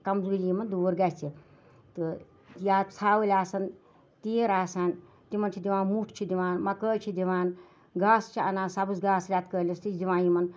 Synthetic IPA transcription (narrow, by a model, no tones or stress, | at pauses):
kɐmzuːlʲimɐnd̪oːɾɡat͡sʰi | t̪ɨ | jaːt͡sʰaːʋɨlʲaːsɐn | t̪iːɾaːsan | t̪imɐnt͡ʃʰid̪iʋaːnmuʈʰt͡ʃʰid̪iʋaːnmɐkəːt͡ʃʰid̪iʋaːn | ɡaːst͡ʃʰiɐ̰naːsabɨsɡaːsɾʲjaːt̪kəːlʲɐst̪it͡ʃʰd̪iʋãːjimɐn